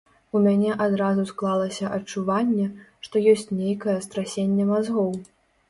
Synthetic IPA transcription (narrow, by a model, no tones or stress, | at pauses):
umʲanʲɛʔad̪ɾazusklˠalˠɐsʲɐʔɐt͡ʂuvanʲːɛʂt̪ɔjɔsʲt͡sʲnʲejkɐjɛst̪ɾasʲenʲːɛmazɣɔw